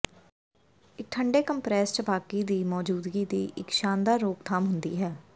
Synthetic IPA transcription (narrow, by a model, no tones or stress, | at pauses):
ɪk̚ʈʰəɳɖeːkəmpɾɛːsʈbaːkiːd̪iːmɔːd͡ʒuːd̪ɡiːd̪iːʔɪkʃaːnd̪aːɾoːk̚t̪ʰaːmɦʊnd̪ḭːɦɛː